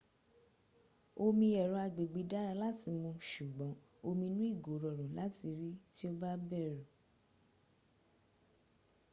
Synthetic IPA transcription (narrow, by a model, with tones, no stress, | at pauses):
o˧mĩ˧ɛ˨ɾɔ˧a˧ɡ͡be˨ɡ͡be˨˧da˦ɾa˧la˦ti˧mũ˧ʃu˨ɡ͡bɔ̃˨˦ | o˧mĩ˧nũ˦i˦˨ɡo˨˦ɾɔ˨ɾũ˨la˦ti˧ɾi˦ti˦o˦ba˦bɛ˦˨ɾũ˨